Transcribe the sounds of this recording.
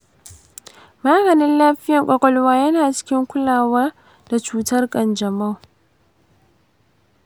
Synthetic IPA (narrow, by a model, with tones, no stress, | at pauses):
maː˦ɡɐ˨nɪ˦nlaː˦ɸɪ˦jɐ˨ŋkʷʼɔ˦kʷʼɔ˦lwaː˦jɐ˦naː˨t͡ʃɪ̥˦kʲɪ˦ŋkʷʊ˦laː˨waː˦ | da˨t͡ʃuː˦tɐ˦rkʼɐ˨nd͡ʒɐ˨ma˦˨